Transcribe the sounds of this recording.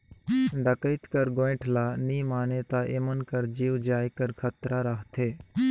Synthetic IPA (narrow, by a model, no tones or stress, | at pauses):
ɖəkəɪt̪kəɾɡoɪ̃ʈʰlaːniːmaːneːt̪aːʔemənkəɾd͡ʒiːʋd͡ʒaːikəɾkʰət̪ɾaːɾəɦt̪ʰeː